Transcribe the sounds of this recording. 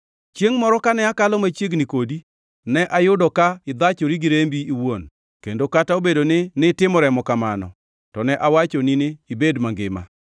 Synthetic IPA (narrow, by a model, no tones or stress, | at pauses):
t͡ʃjeŋmɔɾɔkanɛakalɔmat͡ʃjeɡnikodi | nɛʔajʊdɔkaɪd̪at͡ʃoɾiɡɪɾembiːwon | kḛndokataobedonɪnɪtɪmɔɾɛmɔkamanɔ̰ | tɔnɛʔawat͡ʃonɪnɪːbedmaŋɡɪma̰